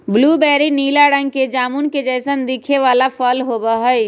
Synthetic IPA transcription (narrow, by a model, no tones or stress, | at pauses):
blubɛɾinilaɽə̃ŋɡked͡ʒamunked͡ʒəɪsənd̪ikʰeʋalapʰəlɦobəɦəj